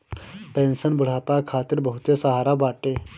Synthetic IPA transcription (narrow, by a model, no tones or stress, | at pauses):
pensənbuɽ̤apakʰat̪iːɾbəɦut̪jesəɦaɾaʋaʈe